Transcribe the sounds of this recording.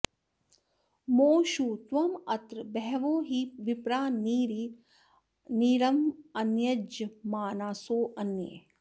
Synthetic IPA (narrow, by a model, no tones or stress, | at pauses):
moːʃuːt̪ʋɐmɐt̪ɾbɛɦʋoːɦiʋipɾaːniɾi | niːɾɐmɐnjɐd͡ʒɐmaːnaːsoːʔɐnjḛː